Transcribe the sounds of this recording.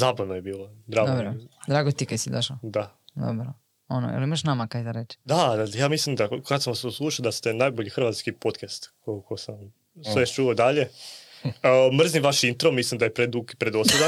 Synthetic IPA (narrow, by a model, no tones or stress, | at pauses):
zaːbaʋnojebiːlˠod̪ɾaːɡd̪ɾod̪ɾaːɡot̪ikajsid̪oʃlod̪ad̪o̰bɾo | ono̰ḛlimaʃnamakajd̪aɾet͡ʃd̪ad̪ajaːmislˠimd̪akad̪samʋasoslˠuːʃaod̪ast̪e̞najboʎixɾrʋat̪skipo̞t̪kʰast̪kokosam | sʋet͡ʃuod̪aʎe̞ | əmr̩zniʋaʃint̪ɾomislˠimd̪ajepɾed̪ukipɾed̪oslʲed̪a